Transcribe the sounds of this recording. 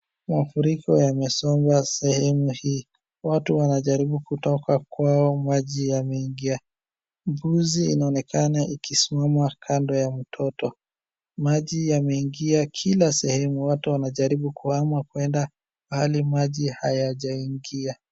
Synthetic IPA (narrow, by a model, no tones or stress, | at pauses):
mafuɾikɔjamɛsɔmbasɛhɛmuhiː | watuwanaʄaɾiɓukutɔkakwaɔmaʄijamɛiŋɡia | mbuziːnaɔnɛkʰanaʔikisimamakʰandɔjam̩tʰɔtɔ | maʄijamɛiŋɡiakʰilasɛhɛmuwatuwanaʄaɾiɓukuhamwakwɛnda | wahalimaʄihajaʄaiŋɡia